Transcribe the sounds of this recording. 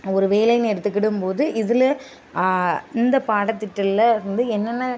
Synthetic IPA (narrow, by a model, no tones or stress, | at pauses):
ɔɾɯʋeːlɐjnɛɽɯt̪ːɯkːɪɽɯmpoːðɯʔɪðɪlɐ | ɪnd̪ɐpaːɽɐt̪ːɪʈːɐllɐɪɾɯnd̪ɯɛnːɐnːɐ